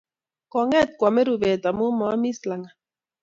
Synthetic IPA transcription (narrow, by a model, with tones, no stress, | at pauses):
kɔ˨ŋɛ˦t̪̚kwa˨mɛ˦ɾu˨βɛ˨t̪a˨mu˦mɔ˨a˦mi˦sla˨ŋa˨